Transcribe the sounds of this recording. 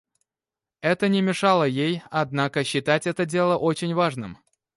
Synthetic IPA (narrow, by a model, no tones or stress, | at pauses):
ɛt̪ənʲɪmʲɪʂalˠəjejɐd̪nakəɕːɪt̪atʲɛt̪ədʲe̞lˠəʔo̞t͡ɕɪnʲvaʐnɨ̰m